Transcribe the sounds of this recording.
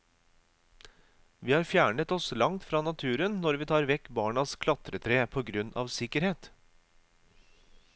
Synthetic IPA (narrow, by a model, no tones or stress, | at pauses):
ʋiːhɑːɾfjæːɳət̪ɔslɑŋt̪fɾɑːnɑt̪ʰʉːɾənnɔɾʋiːt̪ʰɑːɾʋɛkbɑːɳɑskʰlɑt̪ɾət̪ʰɾeːpʰoːɡɾʉnʔɑ̰ːʋsɪkəɾheːt̪